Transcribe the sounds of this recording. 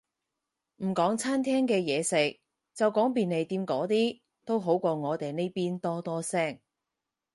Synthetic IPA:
m̩˨˩kɔː˨˥ŋt͡sʰaː˥nt̪ʰɛː˥ŋkɛː˧jɛː˨˧sɪ˨k̚ | t͡sɐ˨wkɔː˨˥ŋpiː˨ne˨˧jt̪iː˧mkɔː˨˥t̪iː˥ | t̪o˥wɦo˨˥wkʷɔː˧ŋɔː˨˧t̪e˨jne˥jpiː˥nt̪ɔː˥t̪ɔː˥sɛː˥˩ŋ

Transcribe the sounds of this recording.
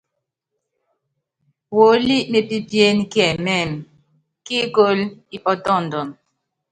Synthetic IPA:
wo˨˦li˦ʔme˨pi˦pje˦nkjɛ˨mɛ˦˨m | ki˦ko˦li˦ʔɔ˦tɔ˦˨n̩˨dɔ˨m

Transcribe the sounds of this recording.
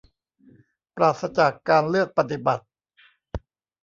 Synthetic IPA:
pɾaː˨˩t̪̚sa˧t͡ɕa˨˩kːaː˧nlɯ˥˩ək̚pa˧t̪i˨˩ba˨˩t̪̚

